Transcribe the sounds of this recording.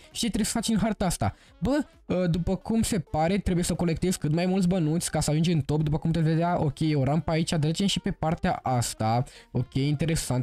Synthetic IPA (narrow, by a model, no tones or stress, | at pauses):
ʃit̪ɾesə̥fat͡ʃinɦart̪ast̪a̰ | bə | əd̪upəkumse̞paɾe̞t̪ɾebuje̞səko̞le̞k̚t̪ezʲkɨt̪majmult̪s̬ʲbənut̪sʲkasəaʒund͡ʒeɨnt̪o̞pd̪upəkumput̪esve̞d̪eaʔo̞kʲe̞jewoɾampait͡ʃad̪ɾet͡ʃemʃipe̞part̪ea̰ʔast̪ao̞kʲe̞jint̪e̞ɾe̞sant̪